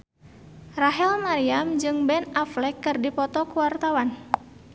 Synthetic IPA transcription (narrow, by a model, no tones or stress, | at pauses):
raɦɛlmaɾiamd͡ʒɨŋbɛnaflɛkːɨrdipɔt̪ɔkuwart̪awan